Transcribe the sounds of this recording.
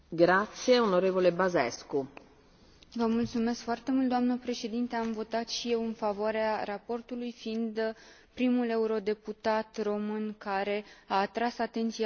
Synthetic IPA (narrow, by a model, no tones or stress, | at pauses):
ɡɾat̪sijeonoɾevolebazɛsku | vəmult̪sume̞skfoart̪e̞mult̪d̪oamnəpɾe̞ʃe̞d̪int̪eamvo̞t̪at̪ʃije̞wɨnfavoaɾearapo̞rt̪ulujfiːnd̪ | pɾimule̞uɾo̞d̪e̞put̪at̪ro̞mɨnkaɾe̞aːt̪ɾasat̪e̞nt̪sia